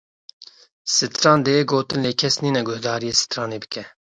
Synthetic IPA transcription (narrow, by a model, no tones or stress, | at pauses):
sɨt̪ɾɑːnd̪eeɡoːt̪ɨnleːkʰɛsniːnɛɡʊhd̪ɑːɾijeːsɨ̥t̪ɾɑːneːbɨkɛ